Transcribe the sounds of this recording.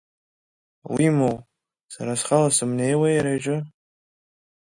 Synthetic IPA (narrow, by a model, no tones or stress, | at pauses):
wimow | saɾasχalasɨmne̞jwajaɾajʒʷʼɨ